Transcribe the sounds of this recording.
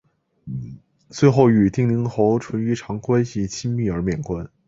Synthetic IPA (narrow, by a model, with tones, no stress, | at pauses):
t͡swe˥˧ɪxo˥˩ʊy˨˩t̪i˥˩ŋli˧˥ŋxo˧˥ʊʈ͡ʂʰwə˧˥ny˧˥ʈ͡ʂʰɑ˧˥ŋkwa˥nɕi˥˨˩t͡ɕʰi˥ŋmi˥˩ə˞˧˥mjɛ˨˩nkwa˥n